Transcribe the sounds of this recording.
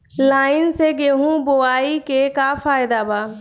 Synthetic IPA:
laːɪnseɡeːɦũboaːikekafʰaːjd̪abaː

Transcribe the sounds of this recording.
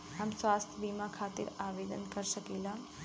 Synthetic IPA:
amsʋast̪ʰjəbimakʰat̪ḭɾaʋed̪ənkəɾʃəkila

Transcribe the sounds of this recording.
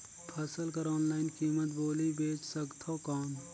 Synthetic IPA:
pʰɐsəlkɐɾɔːnlaːɪnkiːmət̪boːlibeːt͡ʃsɐkt̪ʰokaːm

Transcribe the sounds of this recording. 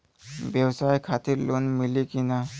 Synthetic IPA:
bjɛwsajkʰat̪iɾlonmilikina

